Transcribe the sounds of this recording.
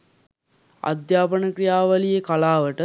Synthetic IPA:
a̰d̪jaːpənəkrijaːʋɐlijekalaːʋəʈə

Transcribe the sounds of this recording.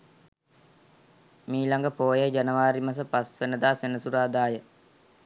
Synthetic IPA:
miːlaŋɡəpoːjəd͡ʒanəʋaːɾimas̬əpasʋenəd̪aːsenəsuɾaːd̪aːjə

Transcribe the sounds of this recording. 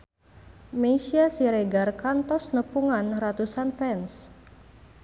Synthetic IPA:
mesiasiɾeɡarkant̪ɔsnəpuŋanrat̪usanfɛns

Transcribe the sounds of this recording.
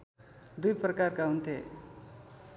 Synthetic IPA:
d̪ujprʌkarkaɦunt̪ʰe

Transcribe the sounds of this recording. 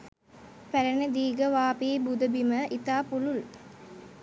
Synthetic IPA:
pæɾɐnəd̪iːɡəʋaːpiːbud̪ɐbiməʔit̪aːpulul

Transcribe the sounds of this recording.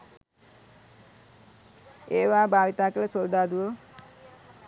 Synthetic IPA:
eːʋaːbaːʋit̪aːkələsold̪ad̪uʋə

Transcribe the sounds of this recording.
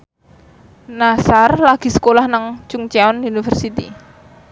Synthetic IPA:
nasarlaɡ̥i̤sə̥kolahnaŋt͡ʃʊŋt͡ʃaɔnunifərsit̪ḭ

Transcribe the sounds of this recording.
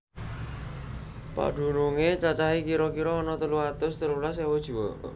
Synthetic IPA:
pa̰ɖ̪̥ṳnuŋet͡ʃat͡ʃaɦikiɾɔkiɾɔːnɔt̪əluat̪ʊst̪əlulasewɔd̥ʒ̥ṳwɔ

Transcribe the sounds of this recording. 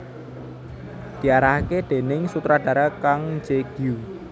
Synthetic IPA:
d̪̥i̤aɾahkeɖ̪̥e̤nɪŋsut̪ɾaɖ̥a̤ɾakaŋd͡ʒeɡ̥iu

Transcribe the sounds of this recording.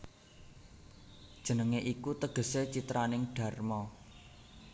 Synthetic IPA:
d̥ʒ̥ə̤nəŋeʔikut̪əɡ̥ə̤set͡ʃit̪ɾanɪŋɖ̥a̤rmɔ

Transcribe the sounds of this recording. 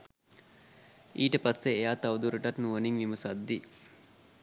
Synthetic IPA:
iːʈəpasːeːjaːt̪aʋud̪uɾuʈat̪nuʋəniŋʋiməsad̪ːi

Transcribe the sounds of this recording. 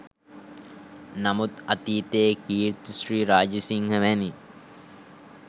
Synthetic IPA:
namut̪ɐt̪iːt̪eːkiːɾt̪usɾiːɾaːd͡ʒəsiŋɡəʋæni

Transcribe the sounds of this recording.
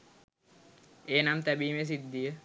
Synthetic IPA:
eːnamt̪æbiːmes̬id̪ːijə

